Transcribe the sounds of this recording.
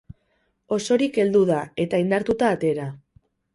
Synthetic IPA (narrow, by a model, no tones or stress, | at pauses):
o̞so̞ɾike̞ld̪uðae̞t̪aind̪aɾt̪ut̪aːt̪e̞ɾa